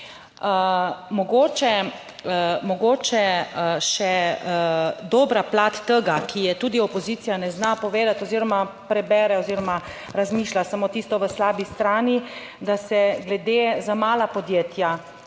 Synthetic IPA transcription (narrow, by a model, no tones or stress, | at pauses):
mɔɡoːt͡ʃɛ | mɔɡoːt͡ʃɛʃɛ | d̪oːbɾaplat̪ːəɡakʰijɛt̪uːd̪iɔpɔzit̪sijanɛznapɔʋeːd̪at̪ɔziːɾɔmapɾɛbɛːɾɛɔziːɾɔma | ɾazmiːʃlasamoːt̪iːst̪ɔʋəslaːbist̪ɾaːni | d̪asɛɡlɛd̪eːzamaːlapɔd̪jeːt̪ʰja